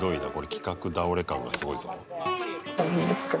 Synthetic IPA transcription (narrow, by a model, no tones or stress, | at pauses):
d̪o̞ina̰ko̞ɾe̞kʲi̥kakɯ̟d̪aoɾe̞kã̰ŋɡasɨɡo̞izoa | amĩnd̪esɨ̥ke